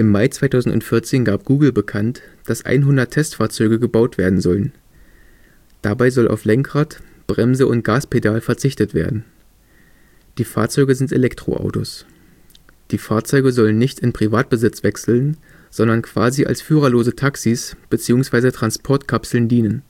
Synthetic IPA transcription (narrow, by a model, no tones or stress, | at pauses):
ʔɪmːaɪt͡sv̥aɪtʰaʊzn̩tʊ̰ntfɪɐt͡seːnɡaːp̚ɡ̥uːɡl̩bəkʰantd̥asʔa̰ɪnɦʊndɐtʰːɛstfaːɐt͡sɔʏɡəɡəbaʊtv̥eːɐdn̩zɔlən | d̥abaɪzɔlʔa̰ʊflɛŋkʁ̥atb̥ʁɛmzəʔʊnt̚ɡ̥aːspedaːlfɛɐt͡sɪçtətv̥ḛːɐdn̩ | d̥iːfa̰ːɐt͡sɔʏɡəzɪntḛlɛktʁ̥o̰ʔa̰ʊto̰s | d̥iːfaːɐt͡sɔʏɡəzɔlənːɪçtɪnpʁ̥ivaːt̚b̥əzɪt͡sv̥ɛksl̩n | z̥ɔndɐnkʰv̥aːziʔa̰lsfyːʁɐloːzətʰaksisb̥ət͡siːʊŋsv̥aɪzətʁ̥anspʰɔɐtkʰapsl̩ndiːnən